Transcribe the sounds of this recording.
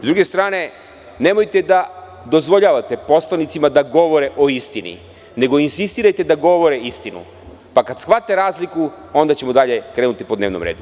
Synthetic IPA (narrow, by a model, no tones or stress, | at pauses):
zd̪ɾuːɡe̞st̪ɾaːne̞ | ne̞mo̞jt̪e̞d̪a | d̪o̞zʋo̞ʎaːʋat̪e̞po̞slˠanit̪simad̪aɡo̞ʋo̞ɾeʔo̞ist̪inḭ | ne̞ɡo̞insist̪iːɾajt̪e̞d̪aɡo̞ʋo̞ɾeist̪inṵ | pakad̪sxʋat̪eɾaːzliku | o̞nd̪at͡ɕemo̞d̪aʎe̞kɾe̞ːnut̪ipod̪neʋnomɾeːd̪u